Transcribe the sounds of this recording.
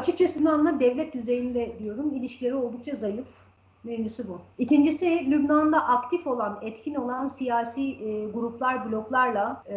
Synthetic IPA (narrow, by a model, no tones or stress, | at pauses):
at͡ʃʰɯk̚t͡ʃʰasɯnd̪and̪ad̪ɛvlʲɛt̪̚d̪yze̞jind̪ɛd̪ijo̞ɾumilʲiʃcʲʰilʲe̞ɾio̞lˠd̪uk̚t͡ʃʰazajɯf | meɾind͡ʒisibuicind͡ʒisilʲybnand̪aʔakt̪ʰifo̞lˠanɛt̪cʰino̞lˠansijaːsiːɡuɾuplˠaɾblʲo̞klˠaɾlˠa